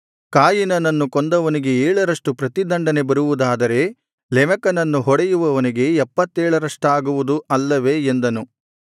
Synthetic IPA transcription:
kaːjinɐnɐnːukond̪ɐʋɐniɡe̞eːɭɐɾɐʂʈupɾɐt̪id̪ɐɳɖɐne̞bɐɾuʋud̪aːd̪ɐɾe̞ | lɛmɐkɐnɐnːuɦɔɽɛjuʋɐʋɐniɡe̞ɛpːɐt̪ːɛːɭɐɾɐʂʈaːɡuʋud̪uʔɐlːɐʋe̞end̪ɐnu

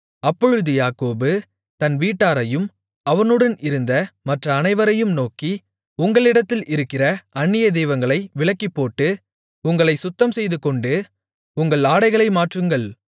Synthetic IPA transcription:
ɐpːɔɻɯðɯjaːkoːbɯ | t̪ɐnʋiːʈːaːɾɐjɯm | ɐʋɐnɯɽɐnɪɾɯnd̪ɐmɐʈrɐːnɐɪʋɐɾɐjɯmnoːki | ʊŋɡɐɭɪɽɐt̪ːɪlɪɾɯkːɪrɐɐnːɪjɐd̪ɛjʋɐŋɡɐɭɐɪʋɪɭɐkːipːoːʈːɯ | ʊŋɡɐɭɐɪsʊt̪ːɐmsɛjðɯkːɔɳɖɯ | ʊŋɡɐɭaːɽɐɪɣɐɭɐɪmaːʈrɯŋɡɐɭ

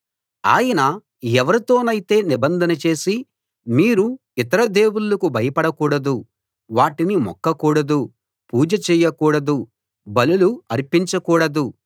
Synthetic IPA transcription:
a̰ːjɐnɐ | ɛʋɐɾit̪o̞ːnɐjit̪e̞ːnibɐnd̪ʱɐnɐt͡ʃe̞ːsi | miːɾu | it̪ɐɾɐd̪e̞ːwulɐkubʱɐjɐpɐɽɐkuːɽɐd̪u | ʋaːʈinimɔ̰kːɐkuːɽɐd̪u | puːd͡ʒɐt͡ʃɛːjɐkuːɽɐd̪u | bɐluluɐɾpiɲt͡ʃɐkuːɽɐd̪u

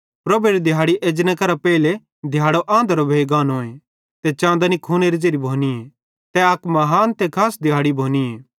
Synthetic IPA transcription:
pɾɐbeɾid̪ʱɪjaːɽiʔeːd͡ʒnɐkɐɾapɛɪle | d̪ʱjaːɽoʔãːnd̪əɾobʱeːɡaːnõːẽ | t̪ɛt͡ʃãːnd̪anikʰuːneɾid͡ʒeɾibʱoːnie | t̪ɛɐkmɐɦaːnt̪ɛkʰaːsd̪ʱɪjaːɽibʱoːnieː

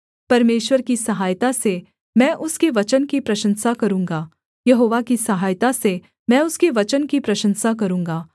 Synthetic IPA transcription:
pɐɾmeːʃwəɾkisɐɦaːjt̪ase | mɛ̃ːʔʊskeʋɐt͡ʃənkipɾɐʃə̃nsakɐɾũːŋɡaː | jɐɦoːʋakisɐɦaːjt̪ase | mɛ̃ːʊskeʋɐt͡ʃənkipɾɐʃə̃nsakɐɾũːŋɡaː

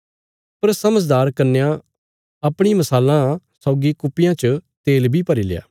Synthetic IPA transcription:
pɐɾsɐməd͡ʒd̪aːɾkɐɾnejã | ɐpɽ̃imɐsaːlã | sɔʊɡikʊpːɪjãt͡ʃət̪eːlbʱipɐɾiːlḛja̰ː

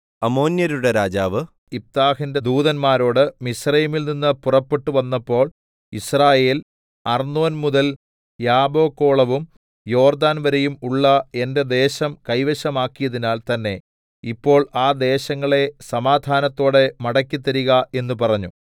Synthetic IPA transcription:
ɐmo̞ːnjɐɾuɽeɾaːd͡ʑaːʋɨ | ip̚t̪aːhinde̞d̪uːðɐnmaːɾo̞ːɽɨmisrɐjimilninːɨpurɐpːe̞ʈːuʋɐnːɐpːo̞ːɭ | israːje̞ːl | ɐrnoːnmuðɐl | jaːbo̞ːkːo̞ːɭɐʋum | jo̞ːrd̪aːnʋɐɾejumuɭːɐe̞nde̞d̪e̞ːɕɐmkɐjʋɐɕɐmaːkːijɐðinaːlt̪ɐnːe̞ | ipːo̞ːɭaːd̪e̞ːɕɐŋːɐɭe̞sɐmaːd̪ʱaːnɐt̪ːo̞ːɽe̞mɐɽɐkʲːit̪ːɐɾiɣɐe̞nːupɐrɐɲːu

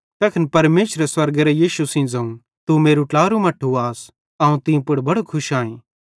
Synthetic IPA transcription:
t̪ɐkʰɐnpɐɾmeːsɾeswɐɾɡɾɛjiːʃusĩd͡zɐũ | t̪umeːɾuʈlaːɾumɐʈʰːuaːs | ɐːũt̪ɪ̃jũpʊɽbɐɽokʰʊʃaːĩː

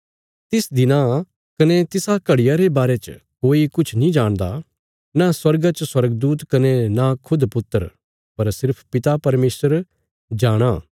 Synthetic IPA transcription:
t̪ɪsd̪ɪna | kɐnet̪ɪsakɐɽɪjaɾebaːɾet͡ʃkoːikʊt͡ʃʰnĩd͡ʒaːɽ̃d̪a̰ | naswɐɾɡat͡ʃswɐɾəɡd̪uːt̪kɐnenakʰʊd̪pʊt̪ːəɾ | pɐɾsɪɾpʰpɪt̪apɐɾmeːsəɾ | d͡ʒaːɽ̃aː

